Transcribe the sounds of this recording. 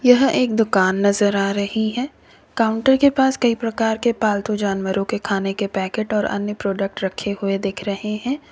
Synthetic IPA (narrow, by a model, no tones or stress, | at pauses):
jɐɦeːk̚d̪ʊkaːnːɐzəɾaːɾɐɦiɦɛː | kaːʊ̃ɳʈəɾkepaːskɐipɾɐkaːɾkepaːlt̪ud͡ʒaːnʋəɾõkekʰaːnekepɛːkeːʈɔːɾɐ̰njəpɾoːɖək̚ʈɾɐkʰːeɦʊed̪ɪkʰɾɐɦeɦɛ̃ː